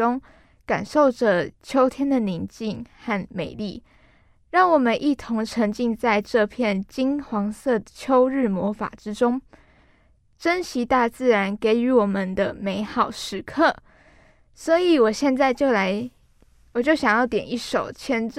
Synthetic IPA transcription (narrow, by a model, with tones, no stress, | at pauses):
ʊ˥ŋ | ka˨˩nʂo˥˩ʊʈ͡ʂə˨˩t͡ɕʰjo˥ʊt̪ʰjɛ˥nd̪ə˨ni˧˥nt͡ɕi˥˧ŋxa˥˩nme˨˩ɪlḭ˥˩ | ɻɑ˥˩ŋwɔ˨˩mə˦nʔi˥˩t̪ʰʊ˧˥ŋʈ͡ʂʰə˧˥ŋt͡ɕi˥˧ŋt͡sa˥˧ɪʈ͡ʂɤ˥˧pʰjɛ˥˩nt͡ɕi˥nxwɑ˧˥ŋsɤ˥˩t͡ɕʰjo˥ʊɻɻ̩˥˩mwɔ˧˥fa̰˨˩ʈ͡ʂɻ̩˦˥ʈ͡ʂʊ˥ŋ | ʈ͡ʂə˥nɕi˧˥t̪a˥˧t͡sɹ̩˥˩ɻa˧˥nke˧˥ɪy˧˥wɔ˨˩mə˨nd̪ə˧me˧˥ɪxɑ˨˩ʊʂɻ̩˧˥kʰɤ˥˩ | swɔ˧˥i˨˩wɔ˨˩ɕjɛ˥˧nt͡sa˥˧ɪt͡ɕjo˥˩ʊla˧˥ɪ | wɔ˨˩t͡ɕjo˥˩ʊɕjɑ˨˩ŋjɑ˥˩ʊt̪jɛ˨˩ni˥˩ʂo˨˩ʊt͡ɕʰjɛ˥n